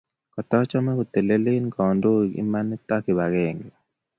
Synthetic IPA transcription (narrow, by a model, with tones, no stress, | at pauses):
kɔ˨t̪ɔ˦t͡ʃɔ˦mɛ˦ku˨t̪e˨le˦lɪ˦nkɔ˨ndo˦ɡḭ˦ma˦ni˦t̪a˦ki˨βa˨ɡe˨ŋ